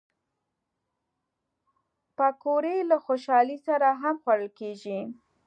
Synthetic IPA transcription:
pakoɾelaxoʃɑlisaɾaɦamxwaɽəlkeʒi

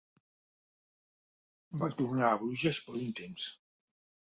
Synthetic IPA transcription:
bat̪urnaaβɾuʒaspoɾunt̪ems

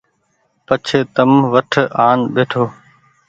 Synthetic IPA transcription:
pət͡ʃʰeːt̪əmʋəʈʰaːnɓeːʈʰoː

